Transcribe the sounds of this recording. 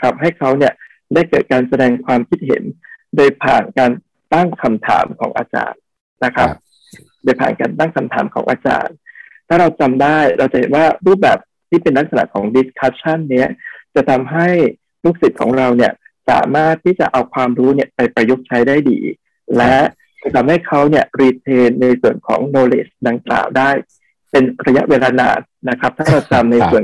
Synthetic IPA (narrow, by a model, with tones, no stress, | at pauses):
kʰa˦˥p̚ɦa˥˩jkʰa˦˥wni˥˩ə | daː˥˩jkɤː˨˩t̪̚kaː˧nsa˧dɛː˧ŋkʰwaː˧mkʰi˦˥t̪̚hḛ˩˦ndoː˧jpʰa̰ː˨˩nkaː˧n | t̪a˥˩ŋkʰa˧mt̪ʰa̰ː˩˦mkʰɔ̰ː˩˦ŋʔa̰ː˧t͡ɕa̰ː˧˩nː | a˦˥kʰɾa˦˥p̚ | doː˧jpʰa̰ː˨˩nkaː˧nt̪a˥˩ŋkʰa˧mt̪ʰaː˩˦mkʰɔ̰ː˩˦ŋʔaː˧t͡ɕa̰ː˧nt̪ʰaː˥˩ɾa˧wt͡ɕa˧mdaː˥˩jɾa˧wt͡ɕa˨˩he˩˦nwaː˥˩ɾuː˥˩p̚bɛ̰ː˨˩p̚ | t̪ʰiː˥˩pe˧nla˦˥k̚sa˧na̰˨˩ʔkʰɔː˩˦ŋdi˦˥skʰa˦˥p̚t͡ɕʰa˥˩nːi˦˥ɐt͡ɕa˨˩t̪ʰa˧mɦa˥˩j | ɾu˦˥˩k̚si˨˩t̪̚kʰɔ̰ː˩˦ŋɾa˧wni˥˩ə | sa̰ː˩˦maː˥˩t̪̚ʰːiː˥˩t͡ɕa̰˨˩ʔa˧wkʰwaː˧mɾuː˦˥ni˥˩ɐpa˧jpɾa˧jo˦˥k̚t͡ɕʰa˦˥jdaː˥˩jdḭː˧ | lɛ˦˥ | a˧jt̪ʰa˧mha˥˩jkʰa˦˥wni˥˩əɾiː˧t̪ʰeː˧nːa˧jsu˨˩ənkʰɔ̰ː˩˦ŋnoː˧lḛ˦˥˩sda˧ŋkla̰ː˨˩wdaː˥˩j | pe˧nɾa˧ja˦˥ʔweː˧laː˧na̰ː˨˩t̪̚na˦˥kʰa˦˥p̚t̪ʰaː˥˩ɾa˧wt͡ɕa˧mna˧jsu˨˩ən